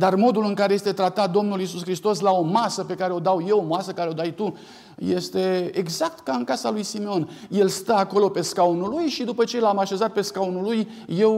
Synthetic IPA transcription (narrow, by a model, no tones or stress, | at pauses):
d̪armo̞d̪ulɨŋkaɾe̞je̞st̪e̞t̪ɾat̪at̪̚d̪o̞mnulisuskɾist̪o̞s̬lao̞masəpe̞kaɾe̞o̞d̪awje̞omasəkaɾeo̞d̪ajt̪u | je̞st̪e̞eɡzak̚t̪kaɨnkasalujsimeo̞nje̞lst̪əako̞lo̞pe̞skaonulujʃid̪upət͡ʃe̞lamaʃe̞zat̪̚pe̞skaunuluj | je̞w